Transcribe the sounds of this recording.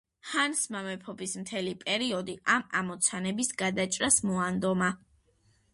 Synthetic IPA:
hansmamɛpʰɔbismt̪ʰɛlipʼɛɾiɔd̪iʔama̰mɔt̪sʰanɛbisɡad̪at͡ʃʼɾasmɔand̪ɔma

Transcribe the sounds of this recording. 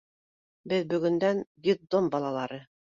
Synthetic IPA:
bɘðbɵ̆ɡɵ̆nd̪ænɡʲid̪ombɑlˠɑlˠɑɾɤ

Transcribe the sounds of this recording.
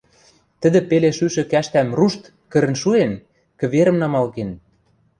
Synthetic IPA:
t̪ə̆d̪ɘ̆peleʃyʃɘ̆kæʃt̪æmruʃt̪ | kə̆ɾə̆nʃuen | kɘ̆βeɾə̆mnɑmɑlɣen

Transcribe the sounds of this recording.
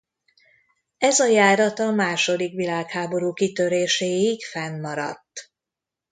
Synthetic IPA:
ɛzɒjaːɾɒt̪ɒmaːʃo̞d̪ikʋilaːkhaːbo̞ɾuːkit̪ø̞ɾeːʃeːikfɛnːɒɾɒ̰t̪ː

